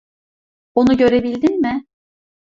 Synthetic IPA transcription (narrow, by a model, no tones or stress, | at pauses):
onuɟø̞ɾe̞bilʲd̪inmɪ